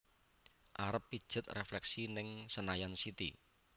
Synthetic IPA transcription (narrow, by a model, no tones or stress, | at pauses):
ʔaɾəpːid̥ʒ̥ə̤t̪̚reflɛksinɪŋsənajansit̪ḭ